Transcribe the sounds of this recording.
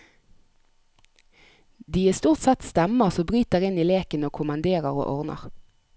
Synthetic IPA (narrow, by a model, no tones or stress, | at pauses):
d̪iːeːst̪uːʁt̪sɛt̪st̪ɛməʁsoːbʁyːt̪̚d̪eʁɪniːleːkənoːkʰʊmɑnd̪eːʁəʁo̰ːʔɔʁnə̰ʁ